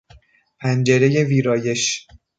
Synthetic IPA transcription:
pʰænd͡ʒe̞ɾeje̞viːɾɒːje̞ʃ

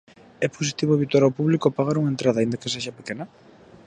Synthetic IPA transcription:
ɛposi̥t̪iβoeβit̪waɾawpuβlikoapaɣaɾuŋent̪ɾaðaind̪ɐkeseʃapekenɐ

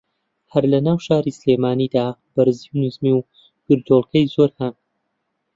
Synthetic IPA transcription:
hɐɾlɐnaːwʃaːɾiːslemaːniːd̪aːb̥ɐɾziwnuzmiw | ɡ̥ɨɾd̪oːlˠkʰɐjzoɾhɐn

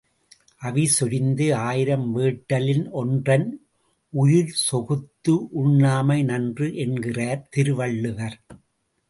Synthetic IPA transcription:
ʔɐʋɪsɔɾɪnd̪ɯaːjɪɾɐmʋeːʈːɐlɪnɔndrɐn | ʊjɪɾsɔɣɯt̪ːɯʔʊɳːaːmɐɪnɐndrɯʔɛnɡɪraːɾt̪ɪɾɯʋɐɭːɯʋɐɾ

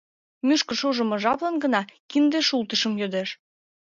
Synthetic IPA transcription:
myʃkə̆ʃoʒə̆mɤ̆ʒɑβlə̆nɡə̆nɑkind̪eʃult̪əʃə̆mjød̪eʃ

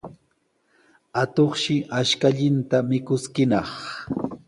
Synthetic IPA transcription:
at̪oχʃɪʔaʃkaʎɪnt̪amɪkʊskɪnɑχ

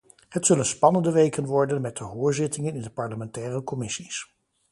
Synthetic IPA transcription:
ɦətsɵlənspɑnəndəʋejkənʋɔɹdənmɛt̚dəɦʊːɹzɪtɪŋənɪndəpɑɹləmɛntɛːrəkɔmɪsis

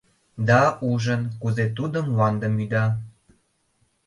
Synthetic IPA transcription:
d̪ɑuʒənkuzet̪ud̪əmlɑnd̪əmyd̪ɑ

